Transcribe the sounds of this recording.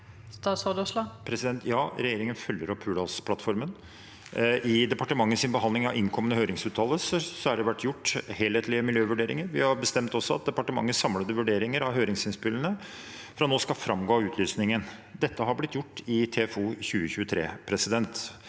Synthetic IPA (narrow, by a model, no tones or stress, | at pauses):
st̪ɑsɑd̪uslɑpʰɾɛsɪd̪ɛnt̪ʰjɑːɾɛjeːɾɪŋənfœljəɾɔpʰːʉːɖɑspʰlɑt̪fɔɾmən | ʔɪd̪ɛpɑʈəmɑŋːəsɪnbəɦɑnd̪ɪŋɑʋɪŋkʰɔmənəhøːɾɪŋsʉːt̪ʰɑːləssɔæɖɛʋæʈːjʊʈːheːlheːt̪lɪəmɪljøːʋʉɖeːɾɪ̰ŋəɾʋɪhɑɾbəst̪ɛmt̪ɔsːɔɑt̪̚d̪ɛpɑʈəmɑ̰ŋːəsɑmləd̪əʋʉɖeːɾɪŋəɾɑʋɦøːɾɪŋsɪnspɪlːənə | fɾɑnoːskɑfɾɑmɡoːɑʉːt̪ʰlyːsnɪŋən | d̪ɛt̪ʰːəɦɑɾblɪt̪ːjʊʈːɪt̪ʰefuːçʉːəçʉːət̪ʰɾḛːpʰɾɛsɪd̪ɛnt̪